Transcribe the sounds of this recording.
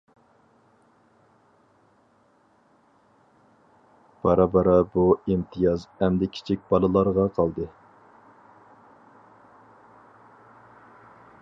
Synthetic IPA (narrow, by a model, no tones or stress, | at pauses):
b̥ɑɾɑbɑɾɑbuimt̪ʰɨjɑzɛmd̪ɛkʲʰi̥t͡ʃʰik̚ʲbɑlˠɨlˠɑɾʁɑqʰɑlˠd̪ɨ